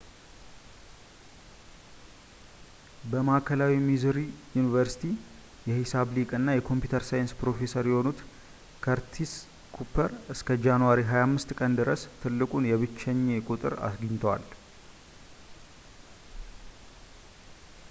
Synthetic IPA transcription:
bəmakʰəlawimizɨɾijunivəɾsi̥t̪ʰi | jɛhisaβlikʼɨnːajɛkʰo̞mpjut̪ʰəɾsajɪnspɾo̞fe̞səɾjɛho̞nut̪ | kʰəɾt̪ʰis | kʰupʰəɾɨskʰəd͡ʒanwaɾiɦajamːɨst̪kʼənd̪ɨɾəst̪ʰɨlːɨkʼunjɛβɨt͡ʃːɛɲːe̞kʼut̪ʼɨ̰ɾa̰sɡɨɲt̪ʰəwa̰l

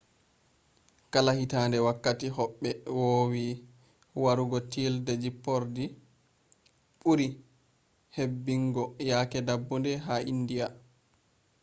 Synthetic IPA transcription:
kalahitaːndɛwakːatiɦɔɓːɛwowi | waɾuɡɔtildɛd͡ʒipːɔɾdi | ɓuɾi | hebːiŋɡɔjakɛdabːundɛɦaʔindija

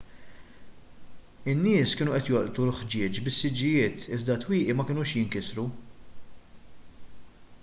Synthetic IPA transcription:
ɪnːɪːskɪːnuʔɛt̪jɔlʔt̪ulħd͡ʒɪːt͡ʃbɪsːɪd͡ʒːɪjɪːt̪ɪzd̪ɐt̪wiːʔimɐkɪːnuːʃjɪŋkɪsɾu

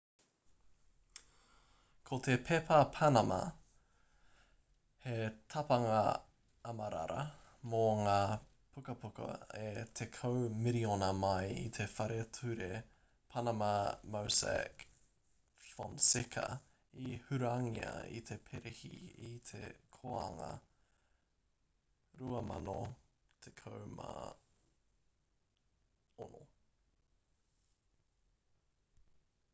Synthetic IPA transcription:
kʰot̪ʰepʰepʰɐpʰɐnɐmɐ̰ | het̪ʰɐpɐŋɐ | ɐmɐɾɐ̰ɾɐ̰moŋaː | pʰukɐpʰukɐ̰et̪ʰekʰowmiɾionɐmɐjḭt̪ʰe̞fɐɾetʰʉɾe | pʰɐnɐmɐmowsḛk | fɔnsekʰɐ̰ | ihʉɾʉɐŋiɐ̰ḭt̪ʰepʰeɾehḭit̪ʰḛkʰoɐ̰ŋɐ̰ | ɾuɐmɐ̰no | t̪ʰekʰowma̰ | ono̰

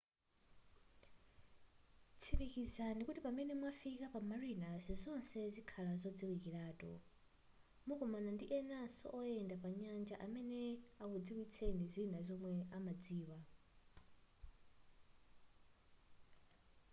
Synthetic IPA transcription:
t͡sʰiβikizanikutipamɛnɛmwafikapamarinazizɔnsɛzikʰalazɔd͡ziwikiɺaːtɔ̰ | mukɔmanandiʔɛnasɔ̰ʔɔjɛndapaɲand͡ʒaʔamɛnɛakud͡ziwit͡sʰenizinazɔmwɛamad͡ziːwa

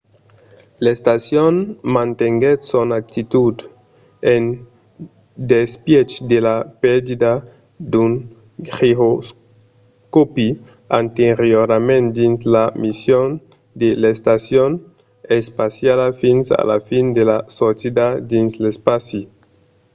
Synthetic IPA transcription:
lest̪asjonmãnt̪eŋɡet̪sonak̚t̪it̪ud̪ | en | d̪espjet͡ʃd̪elapeɾd̪id̪a | d̪un | χiɦos | kopi | ant̪eɾjoɾamẽnt̪d̪inslamisjon | d̪elest̪asjon | espasjalafinsa̰lafind̪elasosed̪ad̪inslespasi

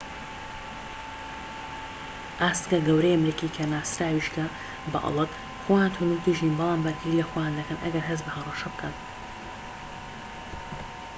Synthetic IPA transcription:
ʔaːst̪kɐɡɐwɾejɐmɾikikʰɐnaːsɾaːwiʃkʰɐ | bɐ̰ʔɑ̰lˠɨt̪ | xojaːnt̪ʰunut̪iʒinbɑlˠaːmbɐɾɡilɐxojaːnd̪ɐkɐnʔɐɡɐɾɦɐzbɐhɐrɐʃɐbɨkʰɐn

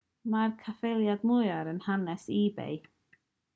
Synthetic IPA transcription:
markʰafelˠjadmʊjɔɾənhanɛsiːbḛj

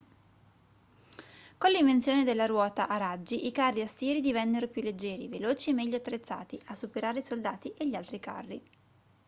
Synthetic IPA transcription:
konliɱvent̪sjoːned̪elːaɾwɔːt̪aʔaɾad͡ʒːiʔikarːiasːjɛːɾid̪ivɛnːeɾopjulːed͡ʒːɛːɾiveloːt͡ʃiemɛʎːoat̪ːɾet̪sːa̰ːt̪iasːupeɾaːɾeisold̪aːt̪iʔeʎːialt̪ɾika̰rːi

